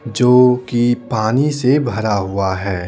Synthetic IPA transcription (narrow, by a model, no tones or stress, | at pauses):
d͡ʒoːkipaːnisebʱɐɾaɦʊaɦɛː